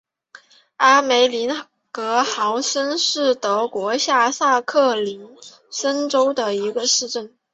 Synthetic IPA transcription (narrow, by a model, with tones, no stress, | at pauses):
a˥me˧˥ɪli˧˥n | kɤ˧˥xɑ˧˥ʊʂə˥nʂɻ̩˥˩t̪ɤ˧˥kwɔ˧˥ɕja˥˧sa˥˧kʰɤ˥˩li˧˥n | sə˥nʈ͡ʂo˥ʊd̪ə˨i˧˥ɡə˧ʂɻ̩˥˧ʈ͡ʂə˥˩n